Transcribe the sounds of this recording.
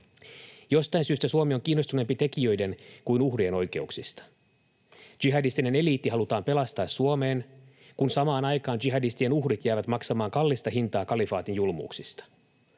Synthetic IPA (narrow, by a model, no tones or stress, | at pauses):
jo̞st̪ɑjnsyːst̪æsuomio̞ŋk̟iːnːost̪unempit̪e̞kiø̞jde̞nkuinuhrie̞no̞jke̞uksist̪ɑ̥ | d͡ʒ̥iɦɑdist̪ine̞ne̞liːt̪ːiɦɑlut̪ɑːmpe̞lɑst̪ɑːsuome̞ːn | kunsɑmɑːnɑjkɑːnd͡ʒiɦɑdist̪ie̞nuhrit̪jæːʋæt̪mɑksɑmɑːŋkɑlːist̪ɑɦint̪ɑːkɑlifɑːt̪injulmṵːksist̪ɑ̥